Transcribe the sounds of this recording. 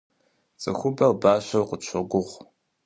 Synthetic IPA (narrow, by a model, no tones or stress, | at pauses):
t͡sʼɨxʷʊbɐlbaːɕɐwqət͡ʃʷʰɐɡʷʊʁʷ